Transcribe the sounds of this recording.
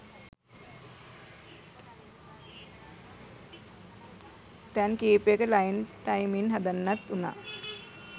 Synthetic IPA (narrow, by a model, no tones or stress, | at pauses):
t̪ɛnkeːpjekəlajnʈajminɦad̪anːat̪una̰ː